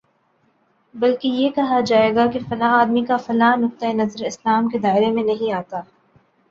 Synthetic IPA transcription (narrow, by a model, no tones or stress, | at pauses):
bɐlkejeːkɐɦad͡ʒaːeːɡakefɐlaːɦaːd̪mikafɐlaːnʊk̚t̪aenɐzɾɪslaːmked̪aːɪɾemẽnɐɦĩaːt̪aː